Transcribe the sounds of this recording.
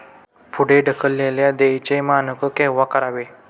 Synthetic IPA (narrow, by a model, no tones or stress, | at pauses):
pʰuɽeɖəkʰəlːeljad̪ejt͡ɕemanəkəkeʋakəɾaʋe